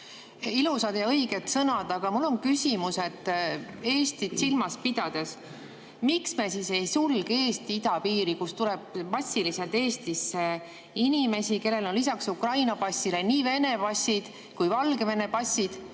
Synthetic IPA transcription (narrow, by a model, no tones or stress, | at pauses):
ilusɑd̪jɑɤjɡ̥e̞t̪sɤnɑd̪̥ɑɡ̥ɑmulːo̞nkysʲimuse̞d̪̥e̞ːst̪id̪silmɑspid̪̥ɑd̪̥es | miksme̞sise̞jsulɡ̥eːst̪iid̪̥ɑpiːɾikust̪uleb̥̚mɑsʲːilise̞lt̪e̞ːst̪isːe | inime̞sike̞lːe̞lo̞nlisɑksukrɑjnɑpɑsʲːileniːve̞ne̞pɑsʲːid̪̥ | kujvɑlɡeve̞ne̞pɑsʲːid̪̥